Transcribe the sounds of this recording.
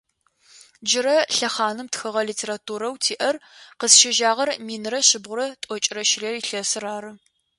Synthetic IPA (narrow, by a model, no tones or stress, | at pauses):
d͡ʒɪɾɐɬɐχɑːnɨmtxɨʁɐliːtʰeːɾaːtʰuːɾɐwtʰiːʔɐrqəsʃɪʒaːʁɐrmiːnɨrɐɕɪbʁʷʊɾɐtʷʼɔt͡ʃʼɪrɐʃɪreriːɬɐsɨraːɾɨ